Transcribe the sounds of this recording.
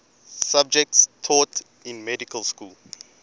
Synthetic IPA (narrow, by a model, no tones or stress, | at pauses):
sab̚d͡ʒɛk̚tstʰɔt | ĩnmɛdikʰəlskul